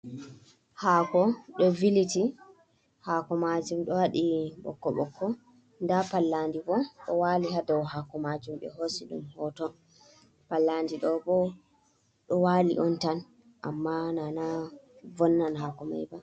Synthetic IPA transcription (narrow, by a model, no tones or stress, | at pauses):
haːkɔɗɔviliti | haːkɔmad͡ʒumɗɔwaɗiɓɔ̰kːɔ̰ɓɔ̰kːɔ | ndapalːandibɔɗɔwaːliɦadɔwɦaːkɔmad͡ʒumɓɛ̰ɦosiɗṵmhɔtɔ | palːandiɗɔbɔ | ɗɔwaːlḭʔɔntan | ʔa̰mːanana | vɔnːanɦakɔma̰jba